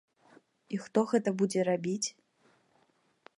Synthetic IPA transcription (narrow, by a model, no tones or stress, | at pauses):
ixt̪ɔɣɛt̪ɐbud͡zʲɛrabʲit͡sʲ